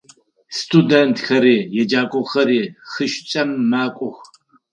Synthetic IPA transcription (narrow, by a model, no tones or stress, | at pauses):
stʰudentxɐɾiːjɛd͡ʒaːkʷʼɔxɐɾiːxɨʃt͡ʃʼɐmːaːkʷʼʊx